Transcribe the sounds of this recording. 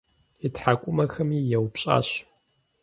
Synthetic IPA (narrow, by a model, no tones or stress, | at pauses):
itħakʷʼʊmɐxɐmiːjɛwpɕʼa̰ːɕ